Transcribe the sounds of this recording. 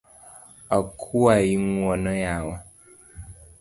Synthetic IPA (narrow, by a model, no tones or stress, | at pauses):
akʰuajiŋwɔnəjawa